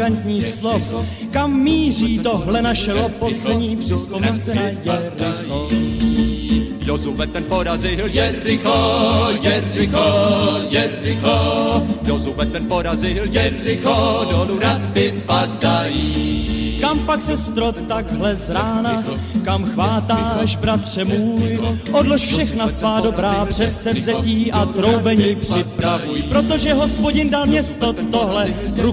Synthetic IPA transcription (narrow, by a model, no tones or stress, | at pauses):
ant̪ɲiːxslof | kamːiːriːt̪oɦlɛnaʃɛlopot͡sɛɲiːpr̥ɪspomɛnt͡sɛjɛɪ | jozuvɛt̪ɛnpoɾazɪjɛɪxojɛɾɪxojɛɾɪxo | ozuvɛt̪ɛnpoɾazɪljɛɪxodɾabɪpadaji | kampaksɛst̪ɾot̪aɡɦlɛzɾaːna | kamxvaːt̪aːɛʃbɾat̪r̥ɛmuːjʔodloʃfʃɛxnasvaːdobɾaːpr̥ɛt̪sɛvzɛciːʔat̪ɾo̞wbɛɲiːpr̥ɪpɾavujpɾo̞t̪oʒɛɦo̞spo̞ɟɪndalmɲɛst̪o̞t̪o̞ɦlɛɾu